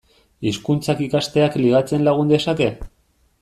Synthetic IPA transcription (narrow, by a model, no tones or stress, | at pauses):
iskunt͡sakikast̪e̞akliɣ̞at͡se̞nlaɣ̞und̪e̞sake̞